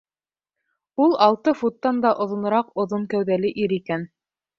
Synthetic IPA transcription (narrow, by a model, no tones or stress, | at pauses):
ulˠɑlˠt̪ɤfut̪ːɑnd̪ɑʔŏðŏnŏɾɑqŏðoŋkæwðælɘʔiɾikæn